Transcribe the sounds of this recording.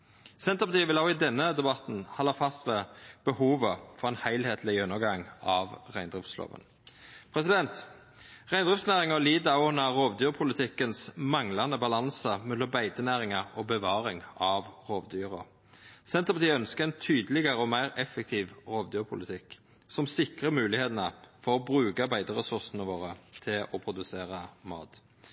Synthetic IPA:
sɛnt̪əpɑt̪iːəʋɪlɑʊɪd̪ɛnːəd̪ɛbɑt̪n̩hɑlːɑfɑst̪ʋɛːb̥əhuːʋəfɔʁɛːnhæɪlheːt̪ʰlɪʉnːəɡɑŋɑʋʁæɪnd̪ʁɪft̪slo̰ːʋə̰n | pʰʁɛsɪd̪ɛnt̪ | ʁæɪnd̪ʁɪft̪snæːʁɪŋɔliːd̪ɑʊnɑʁoːʋd̪yːʁpʰʊlɪt̪ʰɪkənsmɑŋlɑnəbɑlɑnsəmɛlːɔbæɪd̪ənæːʁɪŋɑɔbəʋɑːɾɪŋɑʋʁoːʋd̪yːʁə̰ | sɛnt̪əʁpɑt̪iːœnskəʁɛnt̪ʰyːd̪əlɪɡəʁəɔmæɪɾɛfːək̚t̪ʰiːʋʁoːʋd̪yːʁpʰʊlɪt̪ʰɪk | sɔmsɪkʁəmʉːlɪheːt̪ənəfɔʁɔbʁʉːkɑbæɪd̪əɾɛsʉʁsənəʋoːʁət̪ʰɪlɔpʰʁʊd̪ʉseːʁɑmɑ̰ːt̪

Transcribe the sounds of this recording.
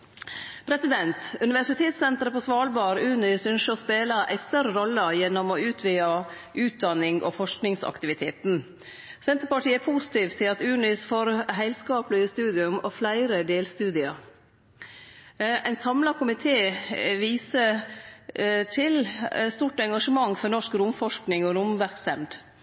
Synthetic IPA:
pʰɾɛsɪd̪ɛnt̪ʉnɪʋæʂɪt̪ʰeːt̪sɛnt̪əɾəpɔsʋɑːlbɑːɾʉːnɪsʉnʃəɔspeːləʔæ̰ɪst̪œɾəɾɔlːəjɛnːɔmɔʉːt̪ʰʋeːɑʔʉːt̪̚d̪ɑnɪŋʔɔ̰fɔʂknɪŋsɑ̰kt̪ɪʋɪt̪ʰeːt̪n | sɛnt̪əɾpɑʈʰiːæpʰuːsɪ̥t̪iːʋt̪ʰːɪlɑt̪ʉːnɪsfoːɾɦæɪlskɑːplɪəst̪ʉːd̪ɪʉmɔflæɪɾəd̪eːlst̪ʉːd̪ɪɑɾ | æɪnsɑmlɑkʰʊmɪt̪ʰeːʋiːsə | t̪ʰɪlst̪uːʈɛŋɡɑʂəmɑŋːfɔnɔʂkɾʊmfɔʂknɪŋɔɾʊmʋæɾksɛmd̪

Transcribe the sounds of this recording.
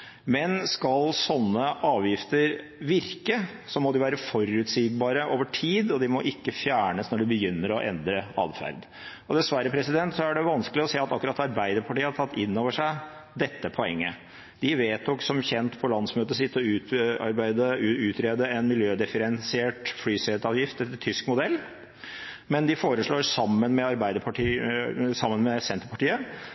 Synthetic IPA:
mɛnskɑlsɔnːəʔɑːʋjɪft̪əɾ | ʋɪɾkəsɔmɔd̪ɪʋæːɾəfɔɾʉːt̪siːɡbɑːɾəʔoːʋəʈʰiːd̪ɔd̪ɪmɔʔɪkːəfjæːɳəsnɔɖɪbəjʏnːəɾɔʔɛ̰nd̪ɾəɑ̰ːd̪fæ̰ɾd̪ | ɔd̪ɛsʋæɾːəpʰɾɛsɪd̪ɛnt̪sɔæɖɛʋɑnskəlɪɔseːɑt̪ɑkːʉɾɑt̪ɑɾbæɪd̪əɾpʰɑʈiːəhɑʈ̪ʰɑt̪ːɪnːoːʋəʂæɪ | d̪ɛt̪ːəpʰɔɛŋːə | d̪̥ɪʋeːt̪ɔksɔmçɛnt̪pʰɔlɑnsmøːt̪əsɪt̪ːɔʉːɑ̰ɾbæɪd̪əʉʉːt̪ʰɾeːd̪əɛnmɪljøːd̪ɪfəɾɛnsɪeːʈflyːsɛt̪ɑːʋjɪft̪ɛt̪ʰːʏskmʊd̪ɛlː | mɛnd̪ɪfoːɾəʂɭoːɾsɑmːənmɛɑɾbæɪd̪əpʰɑʈʰisɑmːənmɛsɛnt̪əpʰɑʈiːə

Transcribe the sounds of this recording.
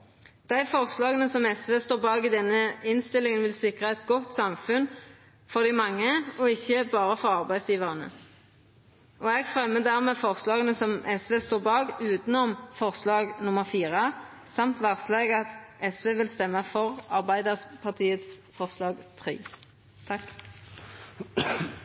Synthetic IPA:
d̪̥æɪfɔʁslɑːɡənəsɔmɛsʋeːst̪oːʁbɑːɡɪd̪ɛnːəɪnst̪ɪlɪŋənʋɪlsɪkʁəɛt̪ɡɔt̪sɑmfʉn | fɔʁd̪ɪmɑŋːəɔɪçːəbɑːʁəfɔʁɑʁbæɪd̪sjiːʋəʁənə̰ | ɔɛɡfʁɛmːəd̪æːʁmeːfɔʁslɑːɡənəsɔmʔɛsʋeːst̪oːʁbɑːɡʉːt̪nɔmfɔʁslɑːɡnʊməʁfiːʁə | sɑmt̪ʋæʁsleːɡɑt̪ɛsʋeːʋɪlst̪ɛmːəfɔʁɑʁbæɪd̪əʁspʰɑʁt̪ʰiːət̪sfɔʁslɑːɡt̪ʰʁḭː | t̪ʰɑk

